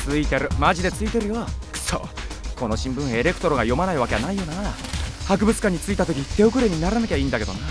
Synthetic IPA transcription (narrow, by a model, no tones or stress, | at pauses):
t͡sɨit̪eɾɯ̟maʑid̪e̞t͡sɨit̪e̞ɾɯ̟joksʰo̰ːkʰo̞no̞ɕĩmbɯ̟̃ɰ̃e̞ɾe̞kɯ̥t̪oɾo̞ɡajo̞manaiβake̞anaijo̞nahak̬ɯ̟bɯt͡sɨ̥kãɲ̟ːit͡sɨit̪at̪o̞kʲit̪ʰe̞o̞kɯ̟ɾe̞ɲ̟inaɾanakʲaĩːnd̪ake̞d̪o̞ne